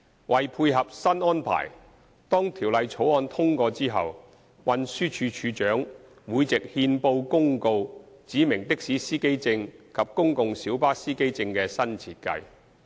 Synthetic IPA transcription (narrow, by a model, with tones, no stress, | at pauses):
wʔɐ˨jpʰuː˧jɦɐ˨p̚sɐ˥nɔː˥npʰa̰ː˨˩j | t̪ɔː˥ŋt̪ʰiː˨˩wlɐ˨jt͡ʃʰo˨˥wɔː˧nt̪ʰʊ˥ŋkɔː˧t͡siː˥ɦɐ̰˨w | wɐ˧nsyː˥t͡ʃʰyː˨˧t͡ʃʰyː˨˧t͡ʃœː˨˥ŋ | wuː˨˧jt͡sɪ˨k̚hiː˧npo˧wkʊ˥ŋko˧wt͡siː˨˥mɪ˨˩ŋt̪ɪ˥k̚siː˨˥siː˥ke˥jt͡sɪ˧ŋkʰɐ˨p̚kʊ˥ŋkʊ˨˧ŋsiː˨˥wpaː˥siː˥ke˥jt͡sɪ˧ŋkɛː˧sɐ˥nt͡sʰiː˧t̚kɐ̰˧j